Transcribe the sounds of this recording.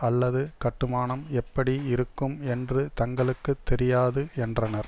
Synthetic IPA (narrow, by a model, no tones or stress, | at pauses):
ɐlːɐðɯkɐʈːɯmaːnɐmɛpːɐɽiɪɾɯkːɯmɛndrɯt̪ɐŋɡɐɭɯkːɯt̪ːɛɾɪjaːðɯɛndrɐnɐɾ